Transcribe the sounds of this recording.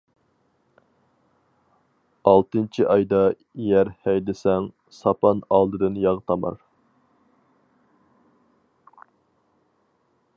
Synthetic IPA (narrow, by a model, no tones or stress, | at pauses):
ɑlˠt̪ɨnt͡ʃʰiʔɑjd̪ɑ | jæɾhæjd̪ɪsɛŋ | sɑpʰɑnɑlˠd̪ɨd̪ɨnjɑʁt̪ʰɑmɑ̰ɾ